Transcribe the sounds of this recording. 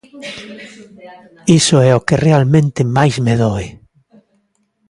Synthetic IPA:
isoɛokerealmẽnt̪emajzmeðoe

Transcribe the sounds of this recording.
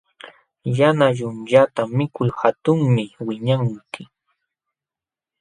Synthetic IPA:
janaʎʊnʎat̪amɪkʊjhat̪ʊŋmɪwɪɲaŋkɪ

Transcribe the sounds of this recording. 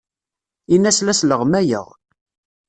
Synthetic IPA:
inːæslæsləʁmæjə̰ʁ

